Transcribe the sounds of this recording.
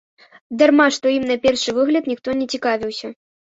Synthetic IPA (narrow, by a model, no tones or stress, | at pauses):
d̪ɐrmaʂt̪ɔimnɐpʲɛrʂɨvɨɣlʲɐt̪nʲixt̪ɔnʲɛt͡sʲikavʲiwsʲɐ